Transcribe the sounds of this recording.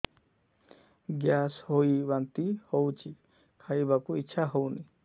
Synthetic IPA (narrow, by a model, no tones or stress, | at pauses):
ɡjashoibant̪ihowt͡ʃʰi | kʰaibakuiːt͡ʃʰaɦowni